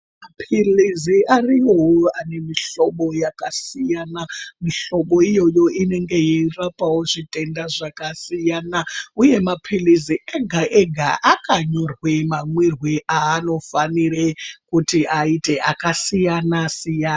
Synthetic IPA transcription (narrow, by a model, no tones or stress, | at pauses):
mapʰiliziariwowoane̞miɬo̞ɓo̞jakasijaːnamiɬo̞ɓo̞ijo̞jo̞ʔine̞ŋɡe̞jirapʼawo̞ʐitʼe̞ndaʐakasijanauje̞mapʰiliziʔeɡʱaʔeɡʱaʔakaɲo̞rwemamwirwiʔaːno̞fanirekutiaite̞ʔakasijanasijaːna